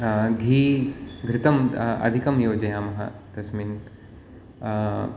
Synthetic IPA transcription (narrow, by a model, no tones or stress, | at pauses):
ɡʱiːɡɾɪt̪ɐmɐ̰d̪ʱikɐmjoːd͡ʒɐjaːmɐɦɐ̰d̪̥ɐsmiːn